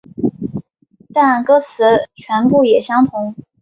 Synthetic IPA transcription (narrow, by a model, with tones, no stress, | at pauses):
t̪a˥˩nkɤ˥t͡sʰɹ̩˧˥t͡ɕʰɥɛ˧˥npu˥˩jɛ˨˩ɕjɑ˥ŋt̪ʰʊ˧˥ŋ